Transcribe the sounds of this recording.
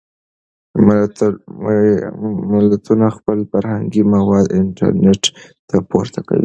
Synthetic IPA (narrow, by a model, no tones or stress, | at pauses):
mɪlat̪unaxpəlfaɾhaŋɡimawɑd̪ɪɳʈa̰ɾneʈt̪apoɾt̪ʰaka̰wḭ